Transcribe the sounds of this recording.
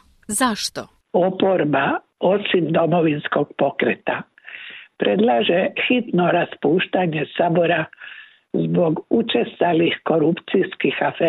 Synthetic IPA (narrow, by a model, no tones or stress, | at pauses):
zaʃt̪o | o̞po̞ɾba | o̞simd̪o̞mo̞ʋinsko̞ɡ̥̚po̞kɾet̪a | pɾʔe̞d̪laːʒe̞xit̪no̞ɾaspuːʃt̪aɲe̞sabo̞ɾa | zbo̞ɡut͡ʃest̪alixko̞ɾupt̪siskixafeː